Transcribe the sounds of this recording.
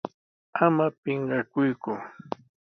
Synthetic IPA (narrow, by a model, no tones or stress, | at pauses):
amapɪɴɢɑkʊjkʊ